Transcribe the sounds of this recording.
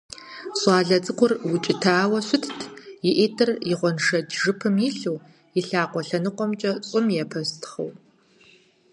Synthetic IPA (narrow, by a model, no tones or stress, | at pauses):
ɕʷʼɑːɮɐt͡sʼɨqʷʰʊrwʊt͡ʃʼɪtʰaːwɐɕʷʊtʰtʰjɪʔeːtʰɨrjɪʁʷɔnʂɐdʒɨpʰɨmjiɬuw | ɪɬaːqʷɔɬɐnɨqʷɔmt͡ʃʼɐt͡sʼʊmjɛpʰɐstʰχɐ̰w